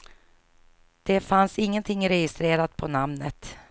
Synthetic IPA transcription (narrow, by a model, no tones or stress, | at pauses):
d̪̥ɛfansɪŋːənt̪ʰɪŋːɾɛjɪst̪ɾeːɾat̪pʰɔnamnət̪